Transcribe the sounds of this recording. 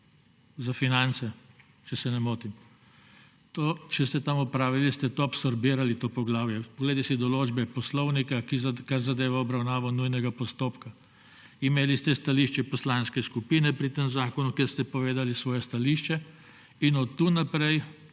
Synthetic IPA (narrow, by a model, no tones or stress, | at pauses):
zafinant̪sɛ | t͡ʃɛsɛnɛmoːt̪im | t̪ot͡ʃɛst̪ɛt̪amɔpɾaːʋilist̪ɛt̪oapsɔɾbiːɾalit̪oːpɔɡlaːwjɛpɔɡleːd̪ɛsid̪ɔloːd͡ʒbɛpɔslɔwnikakizkaɾzad̪eːʋaɔbɾawnaːʋɔnujnɛɡapɔst̪oːpka | imeːlist̪ɛst̪aliːʃt͡ʃɛpɔslanskɛskupinɛpɾit̪emzaːkɔnukɛɾst̪ɛpɔʋeːd̪alisʋɔːjɛst̪aliːʃt͡ʃɛ | inɔt̪ːunapɾɛj